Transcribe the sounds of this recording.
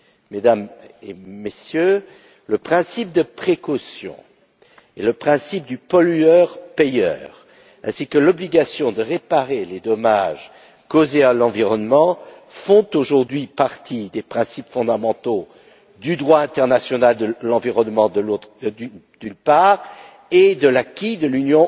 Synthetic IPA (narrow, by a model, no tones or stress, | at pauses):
med̪amḛmesjø | ləpχɛ̃sip̚d̪əpχekɔsjɔ̰̃ | ḛləpχɛ̃sip̚d̪ypɔlyœʁpejœ̰ːʁ | ɛ̰̃sikəlɔbliɡasjɔ̃d̪əʁepaʁeled̪ɔmaʒ | kozealɑ̃viʁɔnmɑ̃ | fɔ̃t̪oʒuʁd̪ɥipaʁt̪ʰid̪epχɛ̃sipfɔ̃d̪amɑ̃t̪o | d̪yd̪ʁwaɛ̃t̪ɛʁnasjɔnald̪əlɑ̃viʁɔnmɑ̃ə | d̪̥ynpaʁ | ed̪əlakʲid̪əlynjɔ̃